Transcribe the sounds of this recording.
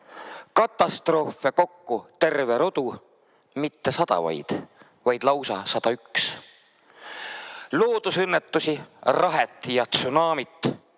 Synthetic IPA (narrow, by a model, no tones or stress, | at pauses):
kɑt̪ːˑɑst̪ro̞ːfe̞ko̞kːut̪e̞rve̞ɾo̞d̪̥u | mit̪ːe̞sɑd̪̥ɑ̰vɑ̰jd̪̥ | vɑjd̪̥lɑwsɑsɑd̪̥ɑyks | loːd̪̥usɤnːet̪ːusirɑɦet̪ːˑjɑt̪sunɑːmit̪ːˑ